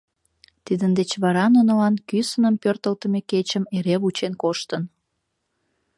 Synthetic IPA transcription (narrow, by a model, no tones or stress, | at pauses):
t̪id̪ənd̪et͡ɕβɑɾɑnonəlɑnkysənəmpørt̪əlt̪əmeket͡ɕəmeɾeβut͡ɕenkoʃt̪ən